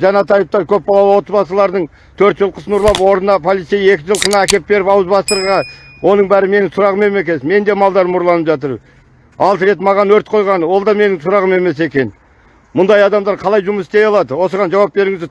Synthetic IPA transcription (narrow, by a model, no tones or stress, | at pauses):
ʒɑnɑt̪ɑjəp̚t̪ɑɾkʲʰɵp̚bɑlˠɑwəwo̞t̪əzbɑsəlˠɑɾd̪əɴ | t̪ʰɵɾt̪ʒəlˠqʰəsənʊɾlˠɑpwo̞ɾənɑpʰo̞lˠit̪seje̞kʲɪʒəlˠqənɑækʲe̞p̚be̞ɾɪpɑwəzbɑst̪əɾʁɑwʔo̞nəɴbæɾɪme̞nɪŋsʊɾɑʁəme̞me̞kʲe̞nsme̞nd̪e̞mɑlˠd̪ɑɾəmʊɾlˠɑnəpʒɑt̪əɾ | ɑlˠt̪ɾe̞t̪mɑʁɑnwɵɾt̪̚qʰo̞jʁɑnəwo̞lˠd̪ɑme̞nɪŋsʊɾɑʁəme̞me̞s̬e̞kʲe̞n | mʊnd̪ɑjɑd̪ɑmd̪ɑɾqʰɑlˠɑjʒʊməsɪ̥st̪e̞jɑlˠɑd̪əwo̞səʁɑnʒɑwɑp̚be̞ɾɪŋɪzd̪ɪ